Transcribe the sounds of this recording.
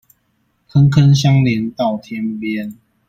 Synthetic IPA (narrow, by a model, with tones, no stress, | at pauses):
kʰə˦nkʰə˦nɕja˦ŋli˨˦nt̪a˥˨˩ʊt̪ʰjɛ˦npjɛ˦n